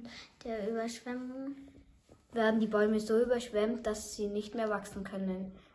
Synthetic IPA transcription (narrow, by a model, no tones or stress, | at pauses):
d̥eːɐyːbɐʃv̥ɛmʊŋ | veːɐdn̩diːbɔʏməzoːyːbɐʃv̥ɛmtd̥asz̥iːnɪçtmeːɐvaksn̩kʰœnən